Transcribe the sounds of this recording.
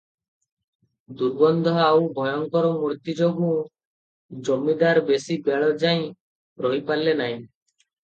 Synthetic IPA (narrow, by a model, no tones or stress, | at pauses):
d̪uɾbɔnd̪ʱɔawbʱɔjɔŋkɔɾɔmuɾt̪id͡ʒɔɡũ | d͡ʒɔmːid̪aɾbesibeɭɔd͡ʒaj̃ | ɾɔɦipalːenaɦĩ